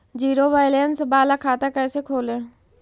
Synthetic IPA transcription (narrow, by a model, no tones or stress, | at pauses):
d͡ʒiːɾoːʋaːɪlensbaːlakʰaːt̪akɛːsekʰoːlẽː